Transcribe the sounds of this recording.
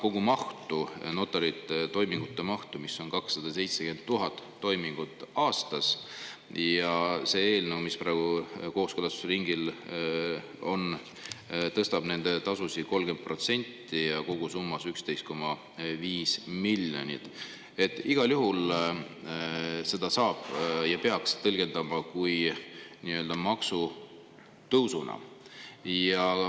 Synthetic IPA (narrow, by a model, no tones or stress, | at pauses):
ko̞ɡ̥umɑht̪uno̞t̪ːˑɑɾit̪ːˑt̪o̞jmiŋɡ̥ut̪ːe̞mɑht̪umisːo̞nkɑksːɑd̪̥ɑse̞jt̪se̞ke̞nd̪̚t̪ːuɦɑt̪ːo̞jmiŋɡ̥ut̪ːˑɑːst̪ɑs | jɑse̞ːe̞ːlnewmispɾɑæːeɡ̥uko̞ːskølɑst̪u̥seɾiŋɡil | o̞n | t̪ɤst̪ɑb̥ne̞nd̪̥e̞t̪ɑsusiko̞lɡ̥e̞nd̪̚pro̞t̪se̞nʲt̪ːijɑko̞ɡ̥usumːɑsykst̪ejst̪̚ko̞mɑ | viːsmiljo̰nʲḭt̪ | e̞t̪ːˑiɡ̥ɑljuɦul | se̞d̪̥ɑsɑːb̥jɑpe̞ɑkst̪ɤlɡ̥e̞nd̪̥ɑmɑkujniø̞ːld̪ɑmɑksu | t̪ɤwsunɑ̰ | jɑ